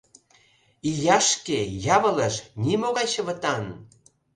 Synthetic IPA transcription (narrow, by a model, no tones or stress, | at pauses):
ijɑʃkejɑβələʃnimoɣɑjɕə̆βə̆t̪ɑn